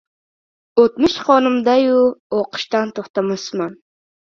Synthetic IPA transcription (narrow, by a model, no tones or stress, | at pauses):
ot̪mʊʃχonɨmd̪ɑjuoqə̥ʃt̪ɑnt̪ʰoχt̪ɑmʊsmɑn